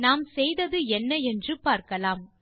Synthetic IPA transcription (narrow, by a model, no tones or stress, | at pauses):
naːmsɛjðɐðɯɛnːɐɛndrɯpaːɾkɐlaːm